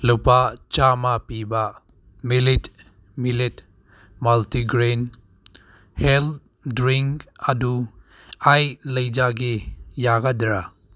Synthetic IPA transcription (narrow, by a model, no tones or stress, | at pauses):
luwpat͡ʃamapiba | milit | milit | maltiɡɾen | hel | dɾiŋkadu | ajlɐjd͡ʒaɡijaɡadɾa